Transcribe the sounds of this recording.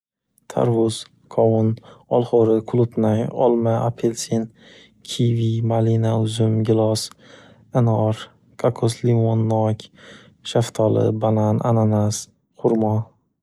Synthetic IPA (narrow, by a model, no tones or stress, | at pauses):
t̪ʰa̰ɾwʊz̥ | kʰɒwʊnɒlˠχoɾɪkʰʊlˠʊpnajɒ̰lˠmaʔapʰelsin | kʲʰivimalinaʊzʊmɡʲɪlˠɒs | enɒɾ | kʰakʰoslimonːɒkʲ | ʃaft̪ʰɒlɪ̰balanʔa̰nanas | qʰʊɾmɒ